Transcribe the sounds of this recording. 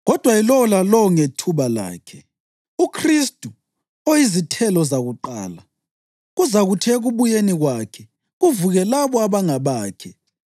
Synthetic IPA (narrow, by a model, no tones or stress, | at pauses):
ɣɔd̥ʱwailɔlalɔŋetʰuβala̰ːkʰɛ | ukʰristʼu | ojizitʰɛlɔzaɣuǃa̰ːla | ɣuzaɣutʰɛɣuβujeniɣwakʰɛ | ɣuvuɣɛlaβɔaβaŋaβaːkʰɛ